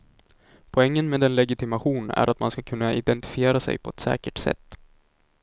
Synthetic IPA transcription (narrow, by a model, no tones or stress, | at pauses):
pʰɔɛŋːənmeːd̪ɛnlɛɡɪt̪ɪmaɧuːnæ̰ɾʔat̪manskakʰɵnːaʔɪd̪ɛnt̪ɪ̥fɪeːɾasɛ̰jpʰɔɛt̪sɛ̰ːkəʈsɛ̰t̪ː